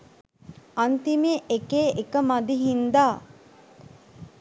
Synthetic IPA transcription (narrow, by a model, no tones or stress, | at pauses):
ant̪imeːʔekeːʔekəmad̪iɦind̪aː